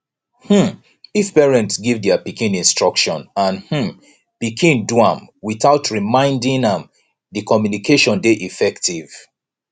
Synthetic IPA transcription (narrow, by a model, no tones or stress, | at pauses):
hm̩ | ifpɛɹɛ̃ntsɡivdɛapikĩnĩnstɹ̥ɔkʃɔ̃nãnhm̩ | pikʰĩnduãmwiθaʊtɹimãɪ̃ndĩnãm | ðikɔmjunikʰeʃɔ̃ndeʔifɛktiv